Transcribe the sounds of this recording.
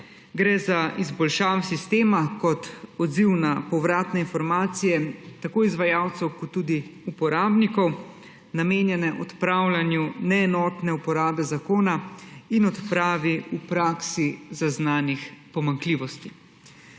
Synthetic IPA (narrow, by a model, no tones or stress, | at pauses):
ɡɾɛːzaʔizbɔlʃaːwɛsist̪eːmakɔt̪ɔd̪ziwnapɔwɾaːt̪nɛinfɔɾmaːt̪sijɛt̪akoːizʋajaːwt̪sɛwkɔt̪ːuːd̪iupɔɾaːbnikɔw | nameːnjɛnɛʔɔt̪pɾawlanjunɛːnɔːt̪nɛupɔɾaːbɛzakoːnainɔt̪pɾaːʋiupɾaːksizaznaːnixpɔmaŋkliːʋɔst̪i